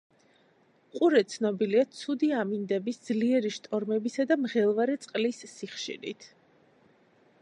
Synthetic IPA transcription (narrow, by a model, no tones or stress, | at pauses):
qʼuɾɛt̪sʰnɔbiliat̪sʰud̪iamind̪ɛbisd̪zliɛɾiʃt̪ʼɔɾmɛbisad̪amʁɛlˠvaɾɛt̪sʼqʼlisːiχʃḭɾḭt̪ʰ